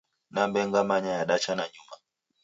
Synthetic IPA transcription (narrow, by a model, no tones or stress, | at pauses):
nambɛŋɡamaɲajaɗat͡ʃanaɲuma